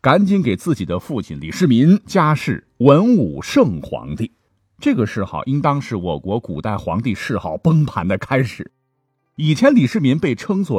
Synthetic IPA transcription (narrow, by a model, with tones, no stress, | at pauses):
ka˧˥nt͡ɕi˥nke˨˩ɪt͡sɹ̩˥˩t͡ɕi˨˩d̪ə˦fu˥˩t͡ɕʰḭ˧˩nli˨˩ʂɻ̩˥˩mi˧˥nt͡ɕja˥ʂɻ̩˥˩ | wə˧˥nu˨˩ʂɤ˥˩ŋxwɑ̰˧˥ŋt̪i˥˩ | ʈ͡ʂɤ˥˩ɡə˩ʂɻ̩˥˩˧xɑ̰˥˩ʊʔi˥nt̪ɑ˥ŋʂɻ̩˥˩wɔ˨˩kwɔ˧˥ku˨˩t̪a˥˩ɪxwɑ̰˧˥ŋt̪i˥˧ʂɻ̩˥˧xɑ˥˩ʊpə˥ŋpʰa˧˥nd̪ə˧kʰa˥ɪʂɻ̩˨˩˦ | i˨˩t͡ɕʰjɛ˧˥nli˨˩ʂɻ̩˥˩mi˧˥npe˥˩ɪʈ͡ʂʰɤ˥ŋswɔ˥˩